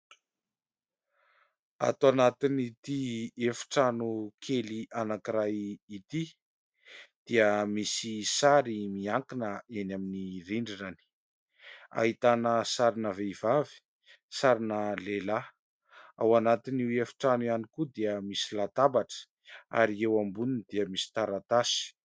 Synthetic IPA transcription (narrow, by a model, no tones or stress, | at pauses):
a̰t̪oanat̪init̪iefu̥ʈ͡ʂanukʰeliʔanakiɾajit̪i | d̪̥iəmisisaɾimiaŋkinəenaminiriɳɖ͡ʐinani̥ | a̰ɦit̪anəsaɾinəveiv̥avi̥ | saɾinəlela | a̰wanat̪iniwefu̥ʈ͡ʂanianikud̪iəmisilat̪abaʈ͡ʂə̥ | a̰ɾiewambuninid̪iəmisi̥t̪aɾat̪asi̥